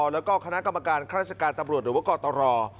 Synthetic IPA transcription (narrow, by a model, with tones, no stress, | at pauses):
lɛː˦˥wkɔː˥˩kʰa˧na˦˥ka˧mːa˧kaː˧nkʰːɾaː˥˩t͡ɕa˧kaː˧nt̪a˧mɾu˨˩t̪̚ɾɯ˩˦a˥˩kɔː˧t̪ɔː˧ɾɔː˧